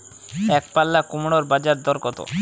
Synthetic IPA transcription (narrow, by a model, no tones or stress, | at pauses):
ɛkpalːakumɽ̃oɾbad͡ʑaɾd̪ɔɾkɔt̪o̰